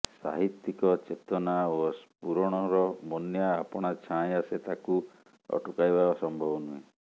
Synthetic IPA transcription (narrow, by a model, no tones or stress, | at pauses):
sa̰ɦit̪ːikɔt͡ʃet̪ɔnaospuɾɔɽ̃ɔɾɔmɔnjaːpɔɽ̃at͡ʃʰãjaset̪aku | ɔ̰ʈukajbaɔsɔmbʱɔbɔnuɦẽ